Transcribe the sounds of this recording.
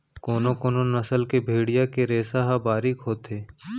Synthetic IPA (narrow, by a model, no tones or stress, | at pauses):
koːnokoːnonɐsəlkebʱeːɽijakeɾeːsaɦabaːɾikɦoːt̪eː